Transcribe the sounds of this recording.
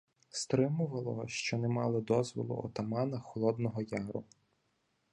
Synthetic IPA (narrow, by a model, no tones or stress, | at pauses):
st̪ɾɪmʊʋɐlˠɔ̰ʃt͡ʃɔnɛmɑlˠɔd̪ɔzʋɔ̰lˠʊ̰ʔɔ̰t̪ɐmɑnɐxɔlˠɔd̪nɔɦɔjɑɦɾʊ̰